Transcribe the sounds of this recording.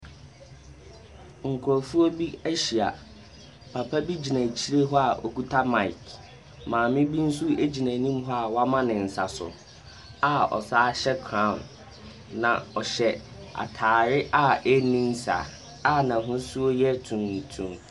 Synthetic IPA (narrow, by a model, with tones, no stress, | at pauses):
ŋ̩˨kʰʊ˨ɾɔ˨fu˦o˦bi˦æ˦ɕi˨a̰˨ | pʰa˨pʰa˦bi˦d͡ʑi˨nã˨t͡ɕʰi˦ɾe˦ɦɔ˦a˨ʔɔ˨ku˦tʰa˦ma˦˨ɪ˨k | mãː˨mɪ̃˦bĩ˦n̩˦su˦e˦d͡ʑi˨næ̃˨nĩ˦mɦɔ˦a˨wa˦mã˦nɪ̃˨n̩˨sa˨sʊ̰˨ | a˨ɔ̰˨saː˦ɕɛ˦kʰɾã˨n | nã˨ɔ˨ɕɛ˦a̰˨tʰaː˨ɾɪ˦ʔa˦e˦nĩ˦n˦sa̰˨ | a˦nã˨ɦʊ̃˦su˦o˦jɛ˦tʰũ˨nː˨tʰũ˨m